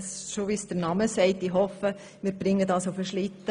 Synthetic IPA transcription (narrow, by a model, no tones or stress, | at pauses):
sʃoʋisd̥əɾnɑməsɛɪtiɦɔfə | mɪːɾb̥ɾɪŋːədɑsofəʃlɪt̪ːə